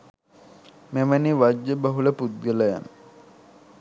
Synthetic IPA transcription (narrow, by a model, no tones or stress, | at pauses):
meməniʋad͡ʒːəbəɦuləpud̪̚ɡələja̰nə